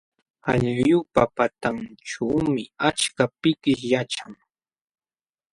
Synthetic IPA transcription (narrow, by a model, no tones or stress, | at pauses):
aʎjʊpapat̪aŋʈ͡ʂawmɪat͡ʃkapɪkɪʃjaʈ͡ʂaŋ